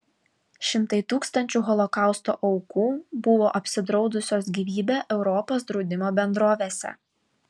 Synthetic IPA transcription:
ʃʲɪmt̪ɐɪt̪uːkst̪ɐnʲt͡ʃʲuːɣɔlˠɔkɑˑʊst̪o̰ːʔɐʊkuːbʊʋoːʔɐpʲsʲɪd̪ɾɒʊd̪ʊsʲoːsɡʲiːʋʲiːbʲeːʔɛʊɾɔpoːsd̪ɾɔʊd̪ʲɪmoːbʲɛnd̪ɾoːʋʲeːsʲɛ̰

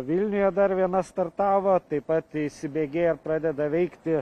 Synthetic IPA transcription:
ʋʲɪlʲnʲʊjɛd̪ɐɾʋʲiɛnɐst̪ɐrt̪ɑːʋoːt̪ɐɪpɐt̪ɪʃsʲɪbʲeːɡʲeːɪrpɾɑːd̪ʲɛd̪ɐʋʲɛɪktt̪ʲɪ

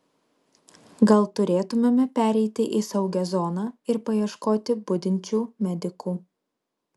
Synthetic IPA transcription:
ɡɐlˠt̪ʊɾʲeːt̪ʊmʲemʲɛpʲæːɾʲɛɪt̪ʲɪʔisɐʊɡʲɛzɔnɑːɪɾpɐjiɛʃkoːt̪ʲɪbʊd̪ʲɪnʲt͡ʃʲuːmʲɛd̪ʲɪkuː

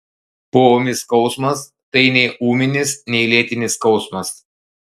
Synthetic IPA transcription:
pomʲɪskɒʊsmɐs | t̪ɐɪnʲɛɪuːmʲɪnʲɪsnʲɛɪlʲiːt̪ʲɪnʲɪskɒʊsmɐs

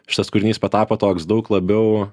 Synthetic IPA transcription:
ʃʲɪ̥t̪ɐskʊɾʲnʲiːspɐt̪ɑːpoːt̪oːksd̪ɐʊklˠɐbʲɛʊ

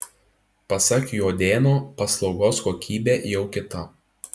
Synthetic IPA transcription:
pɐsɐkjoːd̪ʲeːnoːpɐslˠɒʊɡoːskoːkʲʰiːbʲeːjɛʊkʲɪt̪ɐ

